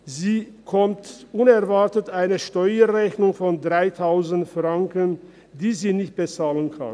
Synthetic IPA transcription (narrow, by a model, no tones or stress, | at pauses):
ziː | kʰɔmtʔʊnɛɐvaɐtətʔaɪnəʃtɔʏəʁɛçnʊŋfɔndʁaɪtʰaʊzn̩tfʁaŋkən | diːziːnɪçt̚b̥ət͡saːlənkʰa̰n